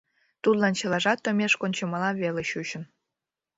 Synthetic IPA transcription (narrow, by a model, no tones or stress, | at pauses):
t̪ut̪lɑnt͡ɕəlɑʒɑt̪ːŏmʲeʃkonʲt͡ɕə̆mɑlɑβeleɕuɕə̆n